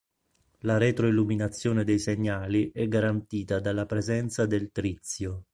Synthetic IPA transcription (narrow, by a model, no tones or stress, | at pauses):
laɾɛt̪ɾoilːuminat̪sːjoːned̪ejseɲːaːliʔɛɡːaɾant̪iːt̪ad̪alːapɾezɛnt̪sad̪elt̪ɾit̪sːjo